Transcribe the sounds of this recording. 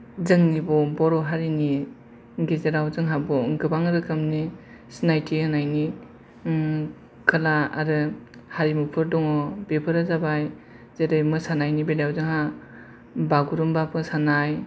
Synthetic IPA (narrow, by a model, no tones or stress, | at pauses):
zɯŋnibɔbɔɾɔɦaɾini | ɡezeɾawzɯŋɦabɔŋɡɯbaŋɯɾɯkʰɯmni | snajtʰianajni | kʰɯlaa̰ɾɯ | haɾimupʰɯɾdɔŋɔbepʰɯɾazabaj | zeɾɯjmɯsanajnibeljawzɯŋɦa | baɡuɾumbapʰɯsanaj